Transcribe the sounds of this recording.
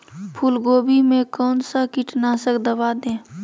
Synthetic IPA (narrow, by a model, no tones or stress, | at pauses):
pʰuːlɡoːbimẽkɔːnsakiʈnasəkd̪əbaːd̪ẽː